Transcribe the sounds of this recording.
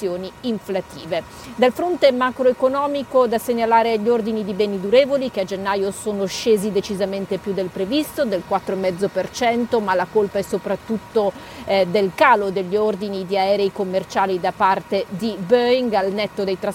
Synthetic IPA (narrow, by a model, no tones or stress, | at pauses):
joːniːɱflat̪ḭːve | d̪alfɾont̪emakɾoekonɔːmikod̪aseɲːalaːɾeʎːiord̪inid̪ibɛːnid̪uɾeːvolikead͡ʒenːaːjosoːnoʃeːzid̪et͡ʃizament̪epjud̪elpɾevist̪od̪elkwat̪ːɾoemɛd̪zːopert͡ʃɛnt̪omalakolpaɛsːopɾat̪ːut̪ːo | d̪elkaːlod̪eʎːiord̪inid̪iaɛːɾejkomːert͡ʃaːlid̪apart̪ed̪ibøiŋɡalnɛt̪ːod̪ejt̪ɾa